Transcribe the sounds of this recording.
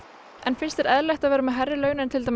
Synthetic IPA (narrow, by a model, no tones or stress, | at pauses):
ʔɛnfɪnst̪ɛɾɛðlajxt̪aðvɛːɾamɛðɦarɪlœːɥnɪnt̪ʰɪlt̪aj